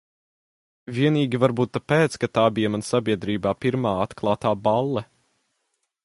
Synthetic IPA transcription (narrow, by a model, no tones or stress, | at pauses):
viɛniːɡʲivaɾbuːt̪ːapeːt̪skat̪aːbijɐmansabʲiɛd̪ɾiːbaːpiɾmaːat̪klˠɑːt̪aːbalˠːɛ